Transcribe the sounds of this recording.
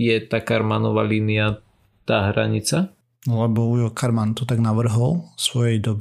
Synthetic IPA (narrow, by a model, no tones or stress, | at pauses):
jɛt̪akaɾmanɔʋa̰ːliːnɪa | t̪aːɦɾa̰ɲit͡sa | lɛbɔujɔkʰaɾmant̪ɔt̪aɡnaʋr̩ɦɔlsʋɔjɛjd̪ɔbi